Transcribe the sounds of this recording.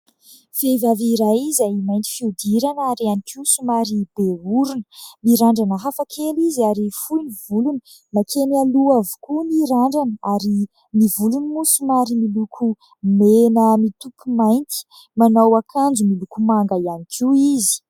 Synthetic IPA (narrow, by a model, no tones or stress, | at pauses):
fevaviɾajizajimajnt̪i̥fiud̪iɾanaɾianikʰiwsumaɾibeuɾunəmiɾaɳɖ͡ʐanəɦafakʰelizaɾifujnivuluni | makʰenaluavu̥kuniɾaɳɖ͡ʐanəaɾi | nivulunimusumaɾimilukʰu | menəmit̪upumajnt̪i̥ | manawakʰand͡zumilukumaŋɡaianikʰiizi̥